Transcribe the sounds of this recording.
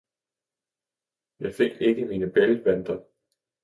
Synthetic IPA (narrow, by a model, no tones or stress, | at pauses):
jɑ̈ɪfe̝ɡ̥e̝ɡ̥əmiːnəb̥elʋ̥ænd̥ɐ